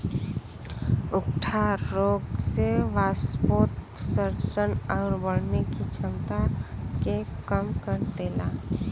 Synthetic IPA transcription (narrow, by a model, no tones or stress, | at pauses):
ʊkʈʰaɾoɡseʋaspot̪səɾsənaʊɾbəɽ̤nekid͡ʒənt̪akekəmkəɾd̪ela